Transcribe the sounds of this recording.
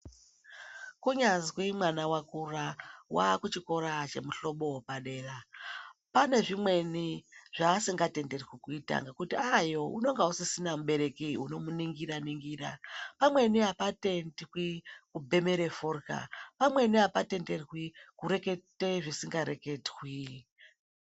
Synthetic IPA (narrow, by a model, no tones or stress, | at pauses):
kuɲazikiimwanawakurawakut͡ʃiko̞ɾat͡ʃe̞muɬo̞ɓo̞wopaɗe̞ːra | pane̞ʐimwe̞niʐ̥aːsiŋɡate̞nde̞rɣwikuita̰ŋɡekutiajo̞ṵno̞ŋɡausisinamuɓe̞ɾe̞kiuno̞muniŋɡiɾaniŋɡira̰pamwe̞niapate̞ndwikubʱe̞me̞ɾeforka̰pamwe̞niɦapate̞nde̞rwikuɾe̞ke̞te̞ʐisiŋɡaɾe̞ke̞dɣwi